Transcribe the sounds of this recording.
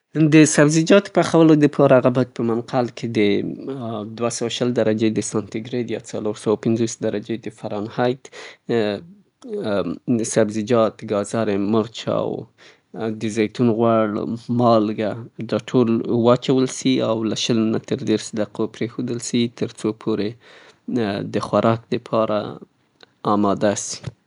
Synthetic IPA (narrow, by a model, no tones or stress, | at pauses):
d̪əsabzid͡ʒɑt̪paxawəlod̪əpʰɑɾaɣabat̪̚pəmanqalkʰed̪ə | d̪wasawaʃəld̪aɾad͡ʒed̪əsɑnt̪ɪɡɾed̪jɑt͡saloɾsawapɪnzosd̪aɾad͡ʒed̪əfaɾɑnhɑjt̪ | sabzid͡ʒɑt̪ɡɑzɑɾemʊɾt͡ʃɑ̰w | d̪əzɑjt̪unɣwaɽmɑlɡad̪ɑʈʰolwɑt͡ʃawəlsiawlaʃəlnat̪əɾd̪eɾsd̪aqʰopɾexod̪əlsit̪əɾt͡sopʰoɾe | d̪əxwaɾʔɑk̚d̪əpʰɑɾa̰ | ɑmɑd̪asi̥